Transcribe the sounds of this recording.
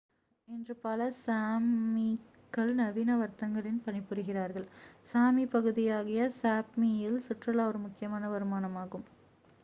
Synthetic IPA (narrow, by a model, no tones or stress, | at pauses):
ɛndrɯpɐlɐsaːmi | kːɐɭnɐʋiːnɐʋɐɾt̪ɐŋɡɐɭɪnpɐnɪpːɯɾɯɣɪraːɾɣɐɭsaːmipɐɣɯðɪjaːɣɪjɐsaːpmijɪlsʊʈrɐlɐʋɔɾɯmʊkːɪjɐmaːnɐʋɐɾɯmaːnɐmaːɣɯm